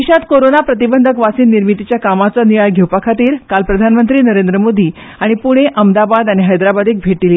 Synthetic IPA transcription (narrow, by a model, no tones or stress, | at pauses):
iɕat̪koɾonapɾət̪ibənd̪ʱəkʋasiːnːiɾmit̪it͡ɕjakamat͡saniʋajɡʱewpakʰat̪iːɾkalpɾəd̪ʱanmənt̪ɾiːnəɾend̪ɾəmod̪ʱiː | aɽ̃ipuɽ̃eʔəmd̪abad̪aɽ̃iɦəjd̪ɾabad̪iːk̚bʱeʈili